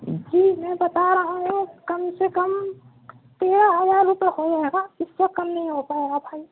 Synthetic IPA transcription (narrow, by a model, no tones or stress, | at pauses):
d͡ʒiːmɛ̃bɐt̪aɾɐɦũokɐmsekɐm | t̪eːɾaɦɐzaːɾːʊpekod͡ʒaɦeːɡaɪswɐt̪̚kɐmnɐɦĩɦop̪aɦeɡabʱaːi